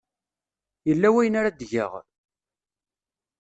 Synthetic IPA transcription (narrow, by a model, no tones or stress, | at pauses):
jəlːæwæjənaɾad̪ʝə̰ʁ